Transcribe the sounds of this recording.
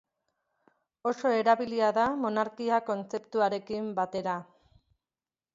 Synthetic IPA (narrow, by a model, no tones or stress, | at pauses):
o̞so̞e̞ɾaβiliaðamo̞naɾkiako̞nt͡se̞pt̪uaɾe̞kimbat̪e̞ɾa